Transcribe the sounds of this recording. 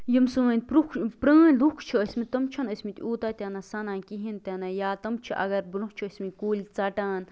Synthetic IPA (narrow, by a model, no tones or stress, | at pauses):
jimsɨʋənʲpɾukʰpɾəːnʲlukʰt͡ʃʰiəsʲmit̪ɐmt͡ʃʰɐnəsmit̪ʲuːt̪aːt̪ʲaːnasɐnaːnʲkiɦint̪ʲanajaːt̪ɐmt͡ʃʰiʔɐ̰ɡɐɾbɨluht͡ʃʰiəsʲmikuːlʲit͡sɐʈaːn